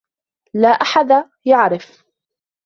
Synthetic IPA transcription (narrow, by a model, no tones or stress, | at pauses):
laːʔaħad̪ | jaʕɾɪf